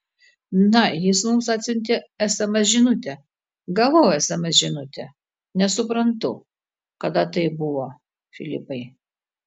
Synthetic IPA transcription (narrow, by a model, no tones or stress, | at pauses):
nɐjɪsmʊmsɐt̪ʲsʲʊnʲt̪ʲeɛsɐmʲɛʒʲɪnʊt̪ʲɛ | ɡɐʋoːjoɛsɐmʲɐʒʲɪnʊt̪ʲɛ | nʲɛsʊpɾɐnt̪ʊ | kɐd̪ɐt̪ɐɪbʊʋoː | fʲɪlʲɪpɐɪ